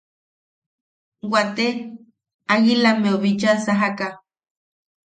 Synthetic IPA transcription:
wat̪e | aɣilameoβit͡ʃasaɦaka

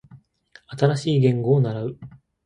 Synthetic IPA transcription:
at̪aɾaɕiːɡẽ̞ŋɡo̞ːnaɾaɯ̟

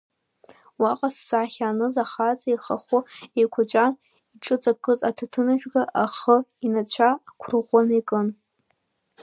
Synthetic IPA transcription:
waqʼasːaːχʲaːnɨzaχat͡sʼaiχaχʊejkʷʰat͡ɕʷʼan | iʈ͡ʂʼɨt͡sʼakʼɨzʼatʰatʰɨnaʒᶣɡaʔaχəinat͡ɕʷʰakʷʰʊrʁʷonikʼɨn

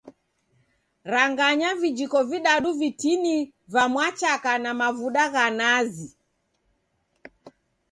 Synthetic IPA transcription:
ɾaŋɡaɲavid͡ʒikɔviɗaɗuvitini | vamwat͡ʃakanamavuɗaɣanazi

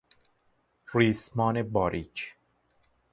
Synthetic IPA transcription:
riːsmɒːnebɒːɾʔiːcʰ

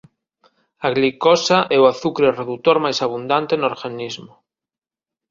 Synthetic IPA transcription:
aɣlikosaʔɛwaθukɾereðut̪oɾmajsaβ̞und̪ant̪enoɾɣanizmo

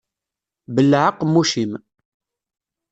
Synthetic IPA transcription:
bəlːʕəqːmːuʃim

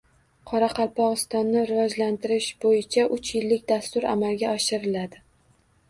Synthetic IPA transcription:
qʰɒɾaqʰɑlˠpɒʁɨst̪ɒnːɪɾɪvɒd͡ʒlant̪ʰɪɾɪʃbojɪt͡ʃʰaʔʊt͡ʃʰjɪlːɪkʲd̪ast̪ʊɾa̰malɡʲaɒʃɪɾɪlad̪ɪ

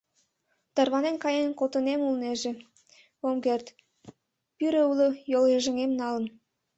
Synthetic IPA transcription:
t̪ɑrβɑnenkɑjenkot̪ə̆nemulneʒĕ | omɡert̪ | pyɾeuləjoljeʒə̆ŋemnɑlə̆n

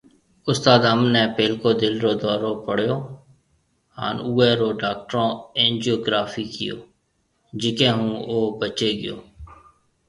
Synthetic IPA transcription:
ʊst̪aːd̪ɦəmnɛ̃ːpeːlkoːd̪ɪlɾoːd̪ɔːɾõːpəɽ̤joː | ha̰ːnuːeːɾoːɖaːk̚ʈəɾõːẽːnd͡ʒijoːɡɾaːfiːkɪ̰jo̰ː | d͡ʒɪkẽːɦũːoːbət͡ʃeːɡɪjo̰ː

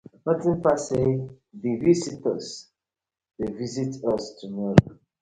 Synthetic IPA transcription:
nɔtĩnpase | divisitəs | devizitɔstʰumɔɾo

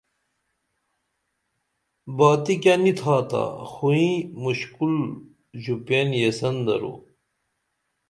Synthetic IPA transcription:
baːt̪ikanit̪ʰaːt̪a̰xuĩmuɕkul | ʑupenjesɐnd̪ɐ̰ɾo̰

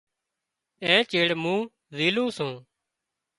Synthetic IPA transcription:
ẽːt͡ʃeːɽmũː | ziːlũːsõː

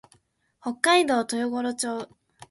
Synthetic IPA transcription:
ho̞kːaid̪o̞ːt̪ojoɡoɾot͡ɕo̞ː

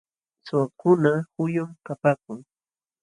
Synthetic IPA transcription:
sʊwakʊnahʊjʊmkapaːkʊŋ

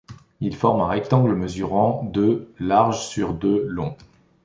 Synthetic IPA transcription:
ilfɔʁmɛ̃ʁɛk̚t̪ɑ̃ɡlməzyʁɑ̃d̪ølaʁʒsyʁd̪ølɔ̃

